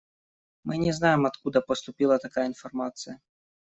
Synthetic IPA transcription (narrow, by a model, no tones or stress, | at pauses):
mɨnʲɛznajɛmɐt̪kud̪ɐpɐst̪ʊpʲilˠɐt̪akajəinfarmat̪sɨjɐ